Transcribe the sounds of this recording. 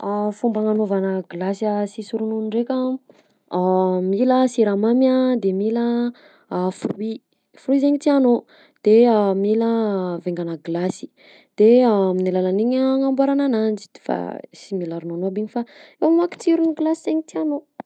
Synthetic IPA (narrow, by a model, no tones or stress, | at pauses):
afumbaŋanovanəɡlasiasisuɾunuɳɖ͡ʐekʲə | miləsiɾamamjad̪emilə | fɾui | fruizeɲit̪iano | d̪̥eamiləveŋɡanəɡlasi̥ | d̪̥eaminilalaniɲŋambaɾananand͡ʒi̥d̪̥fa̰similaɾunonoabiɲifaewamaki̥t͡siɾuniɡlasizeŋit̪iano